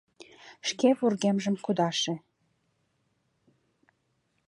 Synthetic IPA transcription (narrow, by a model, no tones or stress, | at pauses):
ʃkeβurɣemʒəmkud̪ɑʃĕ